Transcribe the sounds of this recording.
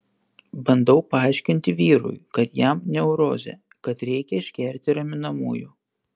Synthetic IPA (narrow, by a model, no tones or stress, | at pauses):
bɐnd̪ɐʊpɐɑˑɪʃʲkʲɪnʲt̪ʲɪʋʲiːɾʊ̰jkɐt̪jæmnʲɛʊɾo̰ːzʲɛ̰ | kɐt̪ɾʲɛɪkʲɛɪʃʲkʲɛˑɾʲt̪ʲɪɾɐmʲɪnɐmuːjuː